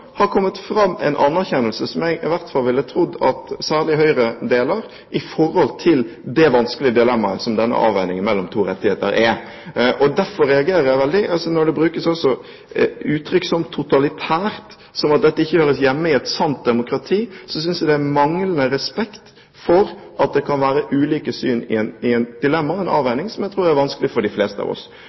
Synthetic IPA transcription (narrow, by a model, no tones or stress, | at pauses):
hɑɾkʰɔmːət̪fɾɑmːɛ̰ɪnʔɑ̰nːæɾçɛnːəlsəsɔmjæɡɪʋæɾt̪fɑlʋɪlːət̪ʰɾʊd̪ːɑt̪sæːʁlɪɦœʏɾəd̪eːlɑɾ | ʔɪfɔɾhɔlt̪ʰɪld̪ɛʋɑnskəlɪəd̪ɛlɛmːɑəsɔmd̪ɛnːə̰ʔɑ̰ːʋæɪnɪŋənmɛlːɔmt̪ʰuːɾɛt̪ːɪheːt̪ə̰ɾʔɛ | ʔɔd̪æɾfɔɾɛɑɡeːɾəɾjæɪʋɛld̪ɪʔɑsɔnɔɾɖ̪ɛbɾʉːkəsɔsɔ | ʉːt̪ʰɾʏksɔmt̪ʰːʊt̪ɑlɪt̪ʰæːɾt̪ | sɔmɑt̪̚d̪ɛt̪ːəɪçːəhøːɾəsjɛmːəɪɛt̪sɑnt̪̚d̪ɛmʊkɾɑt̪ʰiːsɔsʏnsjæd̪ɛæmɑŋlənəɾɛspɛkt̪ | fɔɾʔɑt̪̚d̪ɛkʰɑnʋæːɾəʔʉːliːkəsyːnɪ̰ɛnɪɛnd̪̥ɪlɛmːɑɛnɑ̰ːʋæɪnɪŋsɔmjæɪt̪ʰɾuːɾæɾʋɑnskəlɪfɔɖɪfleːst̪əɑ̰ʋɔ̰s